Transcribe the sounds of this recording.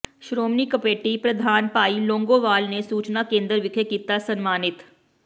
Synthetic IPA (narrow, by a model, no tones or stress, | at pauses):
ʃɾoːmnikəpeːʈipɾɐd̪ʱaːnpaːilõːŋɡoːʋaːlnesuːt͡ʃnakẽːnd̪əɾʋɪkʰekiːt̪asɐnmaːnɪt̪